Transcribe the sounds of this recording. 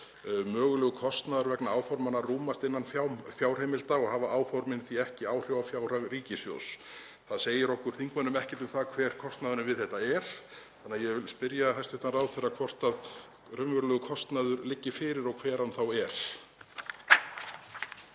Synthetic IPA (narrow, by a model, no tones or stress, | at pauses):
mœːɣʏlœɣʏkʰɔst̪naðʏɾvɛknaaːwfɔɾmanaruːmast̪ɪnːanfjafjaːwr̥heːjmɪlt̪aɔɣhaːvaʔaːwfɔɾmɪnθiɛhcɪaːwr̥jowafjaːwr̥aɣriːcɪsjo̰ws | θaðseːjɪɾɔhkʏɾ̥θiŋkmanʏmɛhcɛt̪ʏmθakʰv̥ɛːɾ̥kʰɔst̪naðʏɾɪvɪðθɛht̪aɛɾ̥θanːaðjɛvɪlspɪɾjaɦajsɪht̪anraːwθɛrːakʰv̥ɔr̥t̪að | rʏmvʏɾlœɣʏkʰɔst̪naðʏɾlɪcːɪfɪːɾɪɾɔɣkʰv̥ɛːɾanθawɛɾ̥